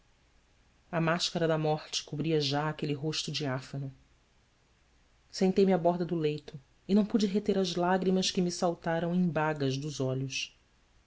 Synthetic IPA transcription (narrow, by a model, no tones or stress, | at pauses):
ɐmaʃkɐɾɐd̪ɐmɔχt͡ʃɪ̥kubɾiɐʒaːkeliɦoʃt̪ʊd͡ʒiafɐnʊ | sẽnt̪ejmiabɔɦd̪ɐd̪ʊlejt̪ʊ | ɪnɐ̃w̃pud͡ʒɪɦet̪eɾɐzlaɡɾimɐskɪmisawt̪aɾɐ̃w̃ẽj̃baɡɐʒd̪ʊzɔʎʊs